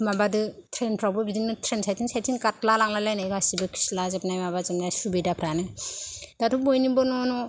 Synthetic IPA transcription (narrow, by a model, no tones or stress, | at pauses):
mabadɯtʰɾenpʰɾawbɔbidiŋnɯtʰɾensajtinsajtinkat̚lalaŋlalajnajɡasibɯkʰi̥slazep̚najmabazepnasubijdapʰɾanɯjdatʰubojnibɔnɔnɔ